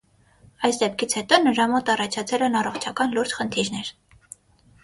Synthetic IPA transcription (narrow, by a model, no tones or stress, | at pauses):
ɑjsd̪ɛp̚kʰit͡sʰhɛt̪ɔnəɾɑmɔt̪ɑrɑt͡ʃʰɑt͡sʰɛlɛnɑrɔχt͡ʃʰɑkɑnluɾd͡ʒχənt̪ʰiɾnɛɾ